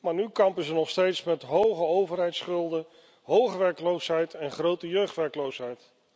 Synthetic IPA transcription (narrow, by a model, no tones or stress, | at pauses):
maːɹnykɑmpəzənɔχstejtsmɛtɦowχəowvəɹɦɛjtsχɵlˠdə | ɦowχəʋɛɹklowsɦɛjtʰɛnχrowtəjøɥχtʋɛɹklowsɦɛjt